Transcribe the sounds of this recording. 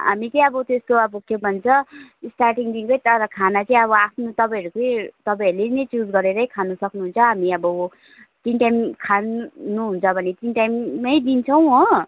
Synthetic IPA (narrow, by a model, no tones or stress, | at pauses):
ɦamit͡sʌj̃ʌbʌt̪est̪oʌbʌkebʱʌnt͡sʰʌsʈarʈiŋd̪inɡʌjt̪ʌɾʌkʰanat͡sʌĩʌβʌapʰnot̪ʌpãʌɾukojt̪ʌpaʌɾulenʌjt͡sud͡zɡʌɾeɾʌjkʰanusʌknuɦunt͡sʰʌɦamiʌbʌ | t̪inʈajmkʰannuɦunt͡sʰʌbʱʌnet̪inʈajmːʌjd̪int͡sʰʌw̃ɦo